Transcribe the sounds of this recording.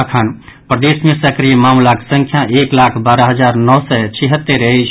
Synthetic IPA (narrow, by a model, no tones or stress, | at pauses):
kʰanpɾəd̪esmesəkɾijmamlake̥sə̃ŋkʰjaʔeklakʰbaːɾaɦəd͡ʒaɾnɔsɛt͡ʃʰiɦət̪ːeɾət͡ʃ